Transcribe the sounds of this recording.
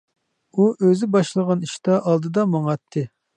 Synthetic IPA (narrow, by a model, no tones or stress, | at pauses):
uʔøzɪbɑʃlˠəʁɑniʃt̪ɑʔɑlˠd̪ɨd̪ɑmɑŋt̪ʰːɨ